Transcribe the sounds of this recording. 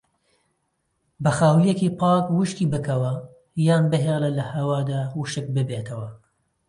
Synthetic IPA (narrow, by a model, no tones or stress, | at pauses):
bɐxaːwlijekipʰɑːkwɨʃk̪iːbɨkʰɐwɐ | jaːnbɨɦeːlɐlɐhɐwaːd̪aːwuʃɨk̚bɨbeːt̪ʰɐwɐ